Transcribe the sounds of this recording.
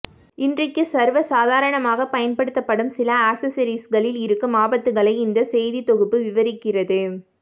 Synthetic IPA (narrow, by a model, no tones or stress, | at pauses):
ɪndrɐkːɯsɐɾʋɐsaːðaːɾɐɳɐmaːɣɐpɐjɐnpɐɽɯt̪ːɐpːɐɽɯmsɪlɐaːksɐsɐɾisɣɐɭɪlɪɾɯkːɯmaːbɐt̪ːɯɣɐɭɐɪɪnd̪ɐsɛjðit̪ɔɣɯpːɯʋɪʋɐɾɪkːɪrɐðɯ